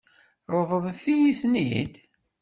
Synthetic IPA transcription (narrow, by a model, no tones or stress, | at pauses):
ɾˤəðˤəðˤθijiθnḭd̪